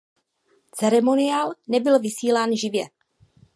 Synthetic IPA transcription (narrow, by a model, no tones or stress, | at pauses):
t͡sɛɾɛmonɪaːlnɛbɪlvɪsiːlaːnʒɪvjɛ